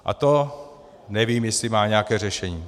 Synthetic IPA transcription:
ʔa̰t̪o | nɛviːmjɛslɪmaːɲɛakɛːrɛʃɛɲiː

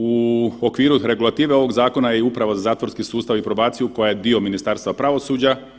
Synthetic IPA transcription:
uokʋiːɾuɾe̞ɡulˠat̪iːʋeo̞ʋo̞ɡzaːko̞najeiupɾaʋozazaːt̪ʋo̞ɾskisuːst̪aʋipɾo̞baːt̪sijuko̞jajed̪io̞minist̪aːɾst̪ʋapɾaʋo̞suːd͡ʑa

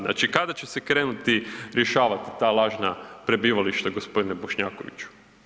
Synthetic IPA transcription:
na̰ːt͡ʃikad̪at͡ɕe̞se̞kɾe̞ːnut̪iɾje̞ʃaːʋat̪i̥t̪aːlˠaːʒnapɾe̞biːʋaliʃt̪aɡo̞spo̞d̪ineboʃɲaːkoʋḭt͡ɕu̥

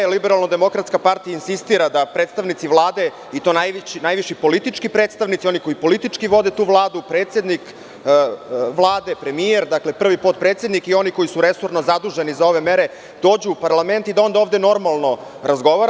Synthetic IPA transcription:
libeɾalˠnod̪e̞mo̞kɾat̪skapaɾt̪ijainsist̪iɾad̪apɾet̪st̪aʋnit̪siʋlˠaːd̪e̞ | it̪onajʋt͡ɕnajʋiʃipo̞lit̪it͡ʂkipɾeːt̪st̪aʋnit̪sio̞niko̞jipo̞lit̪it͡ʂkiʋo̞d̪e̞t̪uːʋlˠaːd̪upɾet̪se̞d̪nik | ʋlˠaːd̪e̞pɾe̞mieɾd̪akle̞pr̩ʋipot̪̚pɾet̪sje̞d̪nikio̞niko̞jisuɾesoɾnozad̪uʒenizao̞ʋe̞meɾe̞ | d̪̥o̞ːd͡ʑuːpaɾlˠame̞nt̪id̪ao̞nd̪aoːʋd̪e̞no̞ɾmalˠno̞ | ɾazɡo̞ʋaɾ

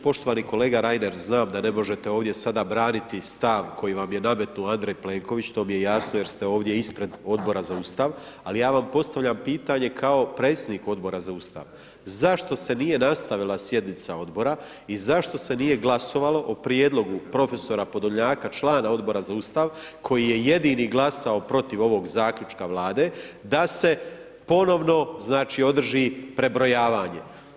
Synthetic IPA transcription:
po̞ʃt̪o̞ʋaːniko̞le̞ːɡaɾajne̞ɾznaːmd̪ane̞mo̞ʒe̞t̪e̞oːʋd̪je̞sad̪abɾaːnit̪ist̪aʋkʰo̞jiʋamje̞name̞t̪nuand̪ɾejple̞ːŋko̞ʋit͡ɕt̪o̞ːmije̞jasnoje̞ɾst̪e̞o̞ːʋd̪jeispɾe̞d̪o̞d̪bo̞ɾazauːst̪aʋ | alijaːʋampo̞st̪aʋʎʲampiːt̪aɲe̞kʰao̞pɾe̞ːt̪sʲjed̪niko̞d̪bo̞ɾazauːst̪a̰ʋ | zaʃt̪o̞se̞nije̞nast̪aʋilˠasje̞d̪nit̪sao̞d̪bo̞ɾa | izaʃt̪o̞se̞nije̞ɡlˠaso̞ʋalo̞ʔopɾjeːd̪lˠo̞ɡupɾo̞fe̞so̞ɾapo̞d̪oɲaːkat͡ʃlˠaːnao̞d̪bo̞ɾazauːst̪aʋkʰo̞jije̞je̞d̪iːniɡlˠasaopɾo̞t̪iʋo̞ʋo̞ɡzaːkʎut͡ʃkaʋlˠaːd̪e̞d̪ase̞ | po̞no̞ʋno̞znaːt͡ʃiːo̞d̪r̩ʒipɾe̞bɾo̞jaːʋaːɲe̞̰

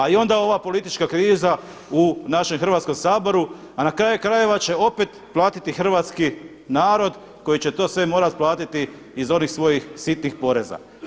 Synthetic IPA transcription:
aio̞nd̪ao̞ʋapo̞lit̪it͡ʃkakɾiːza | unaʃe̞mxɾr̩ʋat̪sko̞msaːbo̞ɾu | anakɾaːjukɾaje̞ʋat͡ɕe̞o̞pet̪plˠaːt̪it̪ixr̩ʋaːt̪ski | naːɾo̞d̪ | ko̞jit͡ɕe̞t̪o̞ːsʋe̞mo̞ːɾat̪plˠaːt̪it̪iː | zo̞nixsʋo̞jixsit̪nixpo̞ɾe̞za̰

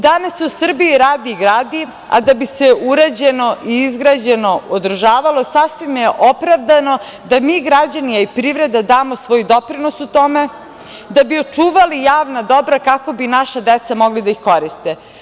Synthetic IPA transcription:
d̪anasusr̩bijiɾaːd̪iːɡɾaːd̪i | a̰d̪abiseʔuɾad͡ʑeno̞ʔiizɡɾad͡ʑe̞no̞od̪r̩ʒaːʋalˠo̞sasʋimjeʔopɾaʋd̪ano̞ | d̪amiːɡɾad͡ʑanijaipɾiʋvɾed̪ad̪aːmosʋo̞ːjd̪o̞pɾino̞sut̪o̞me | d̪abiot͡ʂuːʋalijaːʋnad̪o̞bɾakako̞binaʃad̪et̪samo̞ɡlid̪aixko̞ɾist̪e

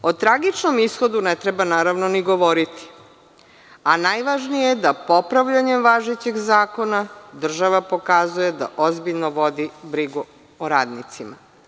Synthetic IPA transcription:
o̞t̪ɾaɡit͡ʃno̞misxo̞d̪unet̪ɾebanaːɾaʋno̞niɡo̞ʋo̞ɾit̪i̥ | anajʋaʒnijed̪apo̞pɾaʋʎaɲemʋaʒet͡ɕeɡzaːko̞nad̪r̩ʒaʋapo̞kazuje̞d̪a̰ʔozbiʎnoʋo̞d̪ibɾiɡu | oɾaːd̪nit̪sima

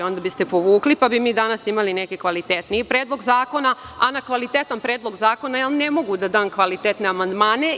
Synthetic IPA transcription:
o̞nd̪abist̪e̞po̞ʋuːklipabimiːd̪anasimalinekikʋalit̪et̪nipɾeːd̪lˠo̞ɡzaːko̞naanakʋalit̪et̪ampɾeːd̪lo̞ɡzaːko̞najalnemo̞ɡud̪ad̪aːmkʋalit̪eːt̪ne̞amand̪maːne̞

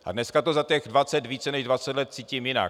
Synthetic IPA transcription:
ʔa̰dnɛskat̪ozat̪ɛɣdvat͡sɛt̪viːt͡sɛnɛʒdvat͡sɛt̪lɛt̪̚t͡siːcimjɪna̰

